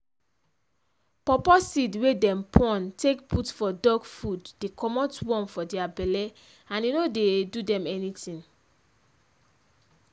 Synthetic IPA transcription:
pɔpɔsidwedɛ̃mpʰɔ̃ntʰekputfɔdɔɡfuddekʰɔmɔtwɔ̃nfɔdɛabɛlɛ | ãninodedudɛ̃mɛnitĩn

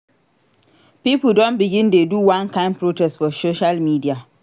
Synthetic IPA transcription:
pipdɔ̃nbiɡĩndeduwãnkʰãɪ̃npʰɾotʰɛstfɔsoʃalmidia

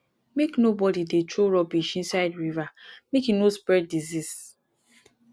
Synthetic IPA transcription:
meknobɔdidetɹoɾɔbiʃĩnsaɪdɹivamekinospɹɛd̚dizis

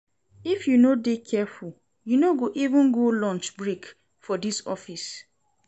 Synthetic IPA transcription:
ifjunodekʰɛful | junoɡoʔivʊ̃nɡolɔ̃nt͡ʃbɹek | fɔdisɔ̰fis

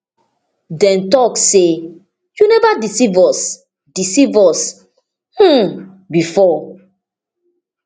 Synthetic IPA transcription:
dɛ̃ntɔkːe | junɛvadisivɔs | disivɔs | h̩ | bifɔ

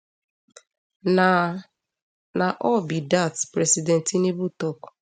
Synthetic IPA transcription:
naʔɔbidatpɾɛsidɛntinebutɔk

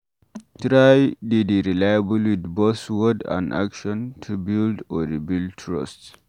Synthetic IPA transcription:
tɾajdideɾilajabulwid̪boswɔdã̰nda̰kʃɔ̃ntʰubildɔdibildtʰɹɔ̰st

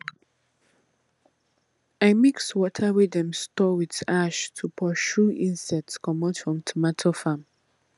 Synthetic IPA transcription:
amikswɔtʰəɹidɛ̃mstɔwiðaʃtʰupʰɔʃuĩnsɛtskʰɔmõtfɹɔ̃mtʰomatʰofãm

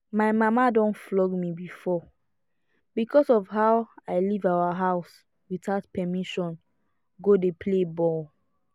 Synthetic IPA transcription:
maɪmamadɔ̃nflɔɡmibifɔ | b̥ikʰɔsɔvhawaɪlivawaɦaʊs | witaʊtpɛmiʃɔ̃n | ɡodepʰlebɔl

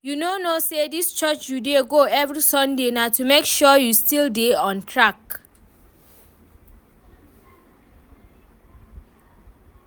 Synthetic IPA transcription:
junonosedist͡ʃɔt͡ʃjudeɡoɛvɹisɔ̃ndenatumekʃɔjustildeɔ̃ntʰɹak

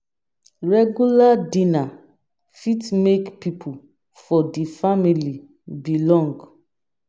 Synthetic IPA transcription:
ɹɛɡjuladina | fitmekpipʰu | fɔdifamili | bilɔ̃ŋɡ

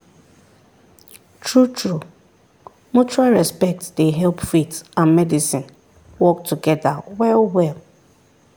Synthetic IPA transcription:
tʰɹutʰɹu | mut͡ʃuɹalɹɛspɛk̚tsdeɦɛlpfitãnmɛdisĩn | wɔk̚tʰuɡɛdawɛlwɛl

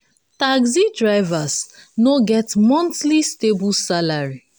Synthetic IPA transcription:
taɡzidɹaɪvasnoɡɛtmɔ̃ntlistebulsalaɹi

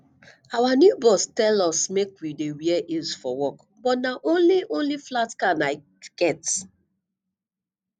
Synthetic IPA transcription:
awanjubɔstɛlɔsmekwidewiɛʔilsfɔwɔk | bɔtnaʔõnliʔõnliflatkanaɪ | ɡ̥ɛt

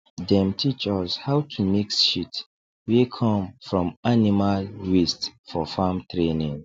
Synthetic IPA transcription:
dɛ̃mtʰit͡ʃɔshawtʰumiksʃit | wikʰɔ̃mfɹɔ̃manimalwistfɔfamtʰɹenĩŋ

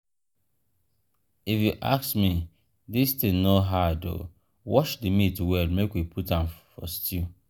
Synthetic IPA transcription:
ifjuʔa̰ksmi | distĩnoɦado̰ | wɔʃdimitwɛlmekwipʰutãmfɔ̰stʰi

